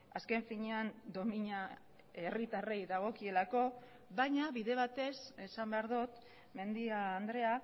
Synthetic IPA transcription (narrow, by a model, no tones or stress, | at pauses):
aske̞ɱfiɲe̞and̪o̞miɲa | e̞rit̪are̞jðaɣ̞o̞kie̞lako̞ | βajɲaβiðe̞β̞at̪e̞sesambe̞aɾðut̪ | me̞nd̪iaːnd̪ɾe̞a